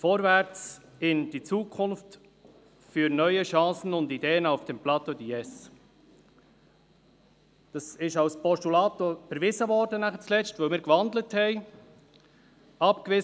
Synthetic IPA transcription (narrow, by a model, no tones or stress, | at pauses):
fɔːɾvæɾt͡sɪnd̥it͡suːkʰʊnft | fyːɾnœʏəʃɑ̃ːsən̩ʊndideːənɑʊfd̥ɛmplɑt̪od̪iɛs | d̥ɑsɪʃɑʊspɔstulɑːt̪ofɛɾvɪzəvɔɾdənæχət͡slɛt͡sstvəlmɪːɾkvɑndləthɛɪ | ɑpkvɪ